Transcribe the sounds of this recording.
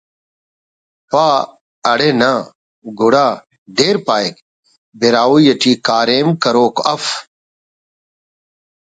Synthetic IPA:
paː | ɐɽenaː | ɡʱuɽaː | d̪eːɾpaːjk | beɾaːwujɐʈʰiːkaːɾeːmkɐɾoːkɐf

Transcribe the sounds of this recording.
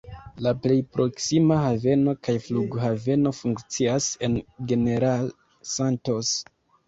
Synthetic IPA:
laple̞jpɾʔo̞ksimahave̞no̞kajfluɡɦave̞no̞fuŋkt͡siase̞nɡe̞ne̞ɾal | santo̞s

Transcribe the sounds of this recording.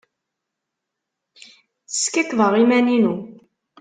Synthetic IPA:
θə̥skækvəʁimæninu

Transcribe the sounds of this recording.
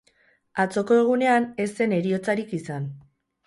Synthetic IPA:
at͡so̞ko̞e̞ɣ̞une̞ane̞se̞ne̞ɾio̞t͡saɾikisan

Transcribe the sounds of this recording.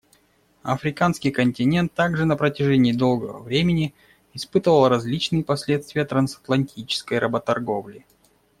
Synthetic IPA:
ɐ̰fɾʲɪkanskʲɪjkənʲtʲɪnʲe̞nt̪ːaɡʐɨnəpɾətʲɪʐɛnʲɪːd̪o̞lˠɡəvə̰vɾʲemʲɪnʲɪ | ɪspɨt̪əvəlˠɾɐzʲlʲit͡ɕnɨjəpɐsʲlʲet̪st̪vʲɪjət̪ɾɐnsɐ̥t̪lˠɐnʲtʲit͡ɕɪ̥skəjɾʔəbət̪ɐrɡo̞vlʲɪ

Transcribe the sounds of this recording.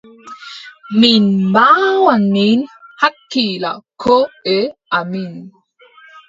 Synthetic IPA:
minbawanːinhakːila̰kʰoeamin

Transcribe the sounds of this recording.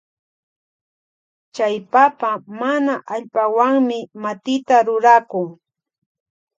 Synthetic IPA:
t͡ʃajpapamanaʔaʎpawaŋmɪmat̪ɪt̪aɾʊɾakʊŋ

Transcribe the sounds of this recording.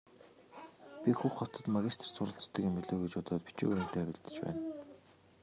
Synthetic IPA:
pʲixuχɔt̪ɞ̆t̪maɣʲist̪ʰr̥sʊɾə̆ɬt͡st̪ə̆kemiɮoːɣet͡ɕʊːt̪aːt̪̚pi̥t͡ɕṵːɣjn̥t̪ʰæːpʲiɮt̪ɘ̥̆t͡ɕpæ̰ːn

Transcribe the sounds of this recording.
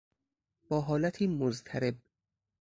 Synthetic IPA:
b̥ɒːɦɒːlæt̪ʰiːmozt̪ʰæɾeb̚

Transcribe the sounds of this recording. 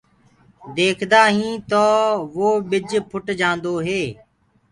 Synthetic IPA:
d̪eːkʰd̪aːɦĩːt̪oːʋoːɓɪd͡ʒpʰʊʈd͡ʒãːnd̪oːɦeː

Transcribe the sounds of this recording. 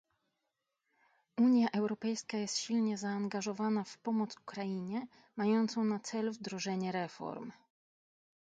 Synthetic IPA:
ʔuɲjaʔɛwɾɔpɛjskajɛst̪ɕilɲɛzaːŋɡaʐɔvanafpɔmɔt̪su̥kɾajiɲɛ | majɔnt̪sɔ̃w̃nat̪sɛlvd̪ɾɔʐɛɲɛɾɛfɔ̰ɾm

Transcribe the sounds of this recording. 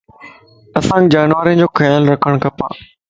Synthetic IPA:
ɐsãːɡd͡ʑaːnʋaːɾĩd͡ʑoːkʰɐjəlɾɐkʰəɽ̃kʰɐpa̰ː

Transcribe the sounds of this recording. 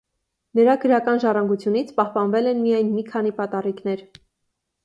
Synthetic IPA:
nəɾɑɡəɾɑkɑnʒɑrɑŋɡut͡sʰjunit͡sʰpɑhpɑnvɛlɛnmijɑjnmikʰɑnipɑt̪ɑrikn̪ɛɾ

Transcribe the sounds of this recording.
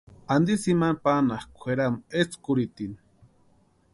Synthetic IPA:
and̪isimanpanaχkʷʰeɾamet͡skuɾit̪in

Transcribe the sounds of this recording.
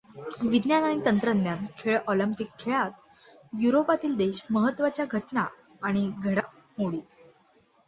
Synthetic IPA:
ʋid̪njanaɽ̃it̪ənt̪ɾənd̪jankʰeɭɔləmpikʰːeɭat̪ | juɾopat̪iːld̪eɕməɦət̪ːʋat͡ɕjaɡʱəʈɳa | aɽ̃iɡʱəɽa | moɭiː

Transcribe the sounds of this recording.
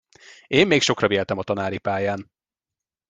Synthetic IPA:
eːmːeːkʃo̞krɒveːlt̪ɛmɒt̪ɒnaːɾipaːjaːn

